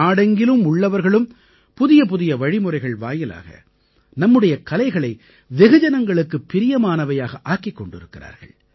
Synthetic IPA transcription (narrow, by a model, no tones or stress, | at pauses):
aːɽɐŋɡɪlɯmʊɭːɐʋɐɾɣɐɭɯm | pʊðɪjɐpʊðɪjɐʋɐɻɪmɯrɐɪɣɐɭʋa̰ːjɪla̰ːɣɐ̰ | nɐmːɯɽɐjɐkɐlɐɪɣɐɭɐɪ | ʋɛɣɯd͡ʒɐnɐŋɡɐɭɯkːɯpːɪɾɪjɐmaːnɐʋɐjaːɣɐʔaːkɪkːɔɳɖɪ̰ɾɯkːɪra̰ːɾɣɐ̰ɭ